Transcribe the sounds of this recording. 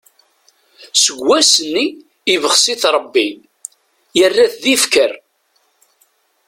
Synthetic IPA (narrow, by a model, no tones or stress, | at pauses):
səɡʷːæsənːiː | vəχsiθɾˤəbːi | jərːæθðifkəɾ